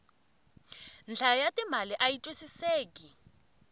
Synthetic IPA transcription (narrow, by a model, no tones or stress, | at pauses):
nd͡ɮʱajatʼimaliʔajitʼwisiseːki